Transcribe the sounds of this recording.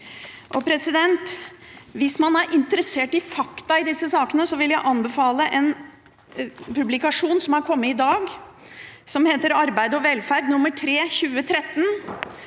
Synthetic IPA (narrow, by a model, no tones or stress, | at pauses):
ʔɔpʰɾɛsɪd̪ɛnt̪ʋɪsmɑnæɾʔɪnt̪əɾəseːʈɪfɑkt̪ɑɪd̪ɪsːəsɑːkənəsɔʋɪljæɪʔɑnbəfɑːləʔɛn | pʉblɪkɑʂuːnsɔmhɑɾkʰɔmːəɪd̪ɑːɡ | sɔmheːt̪əɾɑɾbæɪd̪əɔʋɛlfæɾɖnʊmːəʈʰɾeːçʉːət̪ʰɾɛt̪ːən